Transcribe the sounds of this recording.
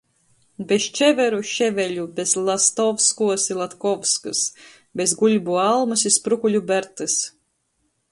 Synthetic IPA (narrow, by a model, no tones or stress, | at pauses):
best͡ʃɛvɛɾuʃevʲɛlʲubezlˠast̪ɔvskuɔsilˠat̪kɔvskɨs | bezɡulʲbualˠmɨsispɾukulʲubæɾt̪ɨs